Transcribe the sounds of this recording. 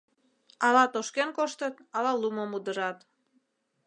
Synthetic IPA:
ɑlɑt̪oʃkenkoʃt̪ət̪ɑlɑlumomud̪əɾɑt̪

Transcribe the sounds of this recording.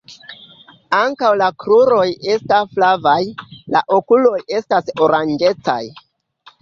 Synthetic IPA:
aŋkawlakɾuɾo̞je̞stasflavajla̰ʔo̞kulo̞je̞staso̞ɾand͡ʒe̞t͡sa̰j

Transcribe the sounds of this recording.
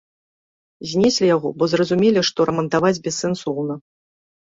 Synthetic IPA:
zʲnʲɛsʲlʲijaɣɔbɔzrɐzumʲelʲiʂt̪ɔɾɐmɐnt̪avad͡zʲbʲɛsːɛnsɔwnɐ

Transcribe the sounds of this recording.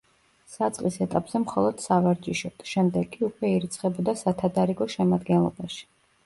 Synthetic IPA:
sat̪sʼqʼisɛt̪ʼapʼz̥ɛmχɔlˠɔd̪̥savaɾd͡ʒʼiʃɔt̪ʰʃɛmd̪ɛɡʼiukʼwɛiɾit̪sʰχɛbɔd̪asat̪ʰad̪aɾiɡɔʃɛmad̪ɡɛnlˠɔ̰baʃi̥

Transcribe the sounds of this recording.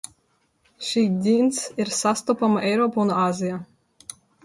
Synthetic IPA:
ʃiːd̪ʲint̪siɾsast̪ɔpamaɛjɾɔːpunaːzʲija

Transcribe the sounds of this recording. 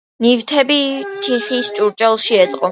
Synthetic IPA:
nivt̪ʰɛbit̪ʰiχist͡ʃʼuɾt͡ʃʼɛlˠʃiɛt̪sʼqʼɔ

